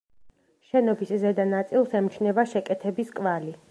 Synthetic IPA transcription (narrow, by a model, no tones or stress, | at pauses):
ʃɛnɔbiszɛd̪anat̪sʼilˠsɛmt͡ʃʰnɛvaʃɛkʼɛt̪ʰɛbiskʼvali